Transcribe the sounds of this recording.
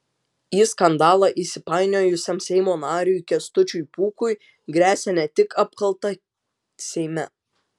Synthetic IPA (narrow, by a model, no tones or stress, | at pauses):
iskɐnd̪ɑːlˠɑʔisʲɪpɑɪnʲoːjʊsʲɛmsʲɛɪmoːnɑːɾʲʊjkʲɛst̪ʊt͡ʃʲʊjpuːkʊɪ | ɡɾʲæːsʲɛnʲɛt̪ʲɪkʰɐpkɐlˠt̪ɐ | sʲɛɪmʲɛ